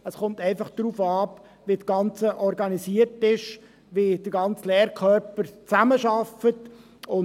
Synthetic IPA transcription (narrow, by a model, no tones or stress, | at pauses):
əsχʊmtɛɪfɑχd̪̥ruːfɑːp | ʋit͡sɡ̥ɑnt͡səʔɔɾɡɑnisiːərtɪʃ | ʋid̥əɡɑnt͡slɛːɾkʰœɾpəɾt͡sæməʃɑfət | ʊ